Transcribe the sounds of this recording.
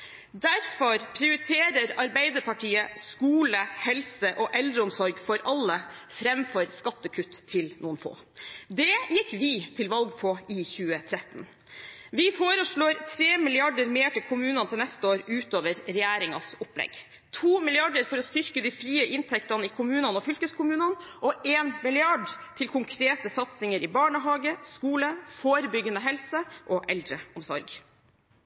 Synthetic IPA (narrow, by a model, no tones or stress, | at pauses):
d̪æɾfɔɾpʰɾɪʊɾɪt̪ʰeːɾəɾɑɾbæɪd̪əɾpʰɑʈʰiːəskuːləhɛlsəʔɔʔɛld̪ɾəʊmsɔɾɡfɔɾɑlːəfɾɛmfɔɾskɑt̪ːəkʰʉt̪ʰːɪlnuːənfo̰ː | d̪ɛjɪkːʋɪt̪ʰɪlʋɑlɡpʰɔɪçʉːət̪ʰɾɛt̪ːn | ʋɪfoːɾəʂɭoːɾt̪ʰɾeːmɪlɪɑɖəɾmeːʈɪlkʰʊmʉːnɑnt̪ʰɪlnɛst̪əoːɾʉːt̪oːʋəɾɾɛjæːɾɪŋɑ̰sʊplɛ̰ɡ | t̪ʰuːmɪlɪɑɖəɾfɔɾɔst̪ʏɾkəd̪iːfɾiːəʔɪnt̪ʰɛkt̪ɑnəɪkʰʊmʉːnɑnəɔfʏlkəskʰʊmʉːnɑnʔɔʔeːnmɪlɪɑɖt̪ʰɪlkʰʊŋkʰɾeːt̪əsɑt̪sɪŋəɾɪbɑːɳəɦɑːɡəskuːləfoːɾəbʏɡənəɦɛlsəʔɔʔɛld̪ɾəʊmsɔ̰ɾɡ